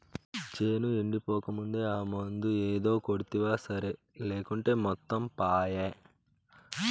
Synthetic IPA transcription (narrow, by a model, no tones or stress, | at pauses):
t͡ʃeːnueɳɖipɔːkɐmund̪eːaːmɐnd̪ueːd̪o̞ːkoɽit̪iʋaːsɐɾe | leːkuɳʈe̞ːmɔt̪ːɐmpaːjeː